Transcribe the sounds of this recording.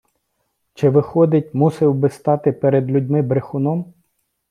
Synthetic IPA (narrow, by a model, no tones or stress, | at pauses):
t͡ʃɪʋɪxɔd̪ɪt̚ʲmusɪwbɪst̪ɑt̪ɪpeɾed̪lʲudʲmɪbɾexʊnɔm